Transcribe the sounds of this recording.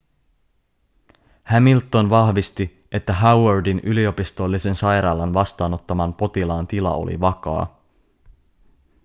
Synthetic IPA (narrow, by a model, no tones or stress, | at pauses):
hæmilt̪ːo̞nʋɑhʋist̪i | e̞t̪ːæɦawerdinylio̞pist̪o̞lːise̞nsɑjɾɑːlɑnʋɑst̪ɑːno̞t̪ːɑmɑmpo̞t̪ilɑːnt̪ilɑ̰o̰lḭʋɑkɑ̰ː